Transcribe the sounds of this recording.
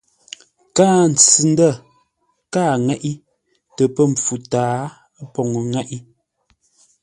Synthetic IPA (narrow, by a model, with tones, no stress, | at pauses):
kaː˦n̩˨t͡sɨ˨n˦də˦˨ | kaː˦˨ŋɛ˦˨ʔi˦ | tə˨pə˦m˨p͡fu˨taː˨˦ | pɔ˨ŋə˨ŋɛ˦ʔi˦